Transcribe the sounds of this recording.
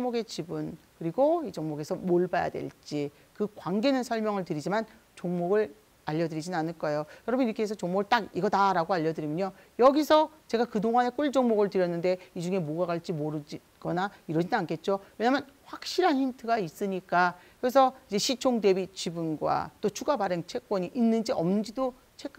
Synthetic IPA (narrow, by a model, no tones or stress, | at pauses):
ŋmoɡe̞t͡ɕibɯnkɯɾiɡoid͡ʑʌŋmoɡe̞sʰʌmoɭbaja̰dwe̞̰ɭt͡ɕ͈i | kɯkwaŋɡe̞nɯnsʰʌɭmjʌŋɯɭtɯɾid͡ʑiman | t͡ɕoŋmoɡɯɭ | aʎːʌdɯɾid͡ʑinanɯɭk͈ʌejojʌɾʌbɯniɾʌkʰees̬ʰʌt͡ɕoŋmoɡɯɭt͈aɡiɡʌdaɾaɡoaʎːʌdɯɾimjʌɲo | jʌɡisʰʌt͡ɕe̞ɡakɯdoŋane̞k͈uɭd͡ʑoŋmoɡɯɭtɯɾjʌnːɯnde̞id͡ʑuŋe̞moɡaɡaɭt͡ɕ͈imoɾɯd͡ʑi | ɡ̥ʌnaiɾʌd͡ʑinnankʰet̚t͡ɕ͈owe̞ɲaːmjʌnɸwak̚ɕ͈iɾɦançintʰɯɡais͈ɯɲik͈akɯɾes̬ʰʌid͡ʑe̞ɕʰit͡ɕʰoŋde̞bit͡ɕibunɡwa̰t͈ot͡ɕʰuɡabaɾɯnt͡ɕʰe̞k̚k͈wʌɲiʔinːɯnd͡ʑiʌmnɯnd͡ʑido | t͡ɕʰek